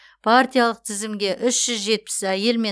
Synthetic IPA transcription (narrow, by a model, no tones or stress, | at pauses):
pʰart̪ijalˠəq̚t̪ʰɪzɪmɡʲe̞ʔʏsʒ̥ʏzʒe̞t̪̚pɪ̥sæje̞lme̞